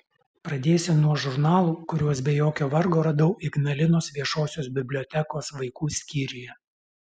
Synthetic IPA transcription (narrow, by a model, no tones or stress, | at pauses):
pɾɐd̪ʲeːsʲɪnuɔʒʊɾnɑːlˠuːkʊɾʲuɔs̬bʲɛjoːkʲoːʋɐɾɡoːɾɐd̪ɐʊʔɪɡnɐlʲɪnoːsʋʲiɛʃoːsʲoːsbʲɪbʲlʲɔt̪ʲɛkoːsʋɐɪkuːsʲkʲiːɾʲʊjɛ